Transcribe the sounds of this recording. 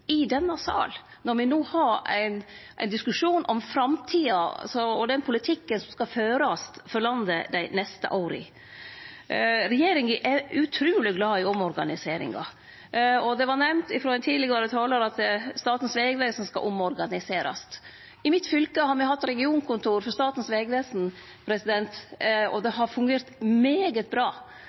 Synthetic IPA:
ɪd̪ɛnːəsɑ̰ːl | nɔɾʋɪnuːhɑɾæ̰ɪnʔæ̰ɪnd̪ɪskʉʂuːnʔɔmfɾɑmt̪ʰiːɑsɔɔd̪ɛnpʰʊlɪt̪ʰɪkːənsɔmskɑføːɾɑst̪fɔɾlɑnd̪əd̪æɪnɛst̪ə̰ʔɑːɾɪ̰ | ɾɛjeːɾɪŋʔɛʉt̪ʰɾʉːlɪɡlɑːɪɔmɔɾɡɑnɪseːɾɪ̰ŋɡɑ̰ | ɔd̪ɛʋɑnɛmnt̪ɪfɾɔːɛnt̪ʰiːlɪɡəʋɑɾət̪ʰɑːləɾɑt̪st̪ɑːt̪n̩sʋeːɡʋeːsɔnmskɑ̰ʔʊmɔɾɡɑnɪseːɾɑ̰st̪ | ɪmɪt̪fʏlkəhɑɾmɛhɑt̪ːɾɛɡɪuːnkʰʊnt̪ʰuːɾfɔɾst̪ɑːt̪n̩sʋeːɡʋeːsn̩ | pʰɾɛsɪd̪ɛnt̪ɔ̰d̪ɛɦɑɾfʉŋɡeːɾt̪meːɡət̪̚bɾɑː

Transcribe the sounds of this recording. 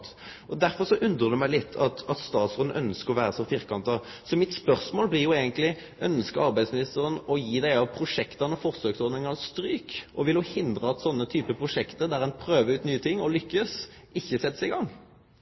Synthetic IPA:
t̪ | ɔd̪æɾfɔʁsɔʔʉnd̪ɾəʁd̪ʉmæɪlɪt̪ʰːɑt̪ɑt̪st̪ɑːt̪sɔd̪n̩ʔœnskəɾɔʋæːɾəsɔfiʁkɑnt̪ɑ | sɔmɪt̪spœʁsmoːlblɪʁjʊeːɡənt̪lɪ | œnskəɑʁbæɪd̪smɪnɪst̪əʁənɔjiːd̪æɪɑʋpʰɾʊʂɛkt̪ɑnəfɔʁsøːksɔd̪nɪŋɑʁst̪ɾyːkʔɔʋɪlʊhɪnd̪ɾəɑt̪sɔnːət̪ʰyːpəpʰʁʊʂɛkt̪əd̪æɾɛnpʰɾøːʋəɾʉːt̪nyːət̪ʰɪŋːɔlʏkːəs | ɪçːəsɛt̪ːəsɪɡɑŋː

